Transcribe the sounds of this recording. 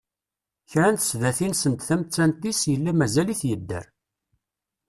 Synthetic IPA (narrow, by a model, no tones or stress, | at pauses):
çɾænt̪ə̥sðæθinsənt̪θæmt͡sːænt̪isjəlːæmæzæliθjəd̪ːə̰ɾ